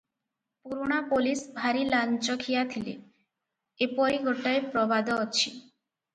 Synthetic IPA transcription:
puɾuɽ̃apolisbʱaɾilant͡ʃɔkʰijat̪ʰilḛ | epɔɾiɡoʈajpɾɔbad̪ɔːt͡ʃʰi

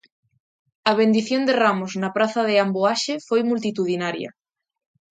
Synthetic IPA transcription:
ɐβ̞end̪iθjond̪eramoznapɾaθɐðɪamboaʃefojmult̪̬it̪uðinaɾjɐ̰

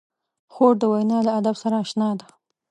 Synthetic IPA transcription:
xoɖ̚d̪əwajnɑlaad̪absaɾaːʃnɑd̪ḁ

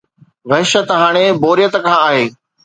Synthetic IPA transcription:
ʋɐɦɪʃət̪ɦaːɽ̃eboːɾijət̪kʰãːaːɦeː

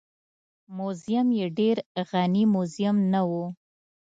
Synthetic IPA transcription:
mozijamjeɖeɾɣanimozijamnawu

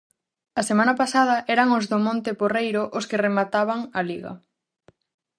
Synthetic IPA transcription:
ɐsemãnɐpasað̞ɐʔɛɾaŋozðomõnt̪eporejɾoʔʊskɪremat̪aβaŋɐliɣɐ̰

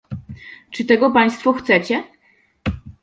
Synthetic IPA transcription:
t͡ʂɘt̪ɛɡɔpaj̃st̪fɔxt̪sɛt͡ɕɛ

